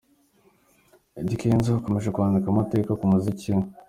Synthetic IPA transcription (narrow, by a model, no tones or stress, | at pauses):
eɟikeːnzehako̞meʒekuβaːndikamate̞kakumuziciw